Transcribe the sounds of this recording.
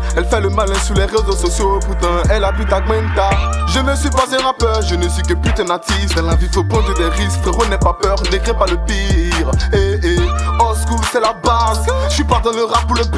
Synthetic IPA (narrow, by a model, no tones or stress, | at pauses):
ɛlfɛləmalɛ̃syʁlɛʁezososjopuʁt̪ɑ̃ɛlavit̪aɡmɛ̃nt̪aʒənəsɥipazɛ̃ʁapœʁʒənəsɥikəpyt̪ɛ̃nat̪isd̪ɑ̃lãvifopɔ̃d̪əd̪ɛʁisfəʁənɛpapœʁnekχĩpaləpiʁeeɔskusɛlabazsipad̪ɑ̃ləʁapuʁləp